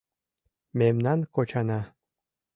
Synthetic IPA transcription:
memnɑnkot͡ɕɑnɑ

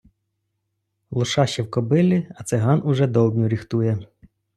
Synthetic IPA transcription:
lˠʊʃɑʃt͡ʃɛwkɔbɪlʲiɐt̪sɛɦɑnʔʊʒɛd̪ɔlˠd̪ʲnʲʊɾʲixt̪ujɛ

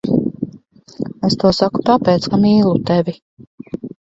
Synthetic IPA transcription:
est̪uɔsaku̥t̪apɛːt̪skamiːlˠut̪ɛvʲi

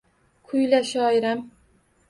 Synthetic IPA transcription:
kʰʊjlaʃɒɪɾam

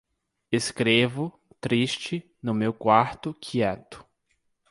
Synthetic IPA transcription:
eskɾevʊ | t̪ɾiʃt͡ʃɪ | nʊmewkwaɾt̪ʊkʰiɛt̪ʊ̥

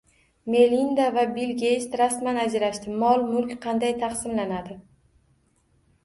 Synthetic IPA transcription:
me̞lind̪avabilɡʲest̪ɾasmanad͡ʒɾaʃt̪ɪmɒlˠmʊlˠkʲqʰɑnd̪ajt̪ʰɑχsɪmlanad̪ɪ

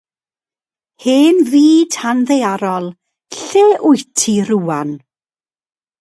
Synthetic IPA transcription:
heːnðiːd̥hanðejaɾɔlˠ | ɬeːʔʊjtʰiɾuːan

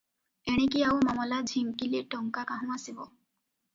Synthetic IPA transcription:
eɽ̃ekiawmamɔlad͡ʒʱimkileʈɔŋkakaɦɔ̃asibɔ

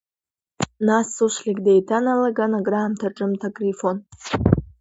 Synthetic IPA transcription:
nasuʃʷlikʼdejtʰanalaɡanaɡraːmtʰaʈ͡ʂʼɨmtʰakʼrifon

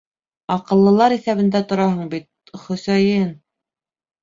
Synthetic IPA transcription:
ɑqɤ̆lˠːɤ̆lˠɑɾiθæβɘ̆nd̪æt̪ŏɾɑɦɤɴbit̪̚ | χɵ̆sæjɘn

